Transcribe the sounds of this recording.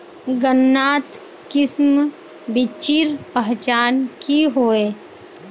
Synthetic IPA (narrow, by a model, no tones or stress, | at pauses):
ɡənːaːt̪ | kɪsm | bɪt͡ʃiɾpəɦt͡ʃaːnkiɦoːeː